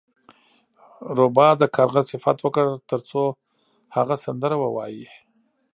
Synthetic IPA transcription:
ɾobɑd̪əkʰaɾɣəzsɪfat̪wəkəɽt̪əɾt͡so | haɣasand̪əɾawəwɑji

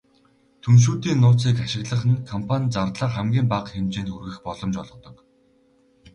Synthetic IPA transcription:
t̪ʰɵnʃ̬uːt̪iːnːʊːt͡siːkaʃɪ̆ɣɮə̆χɘ̆nkʰɔmpʰanʲt͡sart̪ɮə̆ːqχæmɡʲiːmpaqxemt͡ɕeːnt̪xurɣɘ̆xpɔɮɞ̆mt͡ɕɔɮɞ̆t̪ɞ̆k

